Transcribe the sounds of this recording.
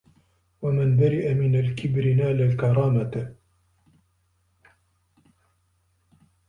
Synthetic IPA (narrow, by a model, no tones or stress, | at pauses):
wamanbaɾɪʔamɪnalkɪbɾɪnaːlalkɑɾˤɑːmat̪